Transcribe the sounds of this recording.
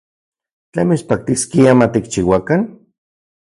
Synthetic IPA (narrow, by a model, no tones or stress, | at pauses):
t͡ɬamit͡ʃpak̚t̪iskiamat̪ik̚t͡ʃiwakan